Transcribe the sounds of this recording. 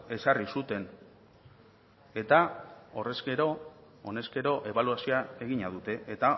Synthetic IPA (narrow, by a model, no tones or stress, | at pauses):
e̞sarisut̪e̞n | e̞t̪ao̞re̞ske̞ɾo̞ | one̞ske̞ɾo̞ʔe̞βaluasioae̞ɣiɲaðut̪e̞et̪a